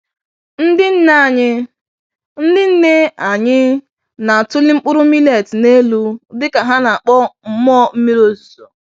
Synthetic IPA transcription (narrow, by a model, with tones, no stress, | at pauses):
n̩˦dɪ˦n̩˦na˦˨ɲɪ˦ | n̩˦dɪ˦n̩˦ne˦a˨ɲɪ˦ | na˨a˨tʊ˦lɪ˦ŋ͡m̩˦k͡pʊ˦ɾʊ˦mi˦le˨tne˦lu˦dɪ˦ka˨ɦa˦na˨a˨k͡pɔ˦m̩˦m˦ɔ˦m̩˦me˦ɾo˦su̥˨so˨